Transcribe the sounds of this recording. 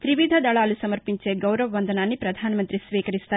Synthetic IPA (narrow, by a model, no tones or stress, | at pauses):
t̪ɾiʋid̪ʱɐd̪ɐɭaːlusɐmɐɾpiɲt͡ʃeɡɐwɾɐʋɐʋɐnd̪ʱɐnaːnːipɾɐd̪ʱaːnɐmɐnt̪ɾisʋiːkɐɾist̪aː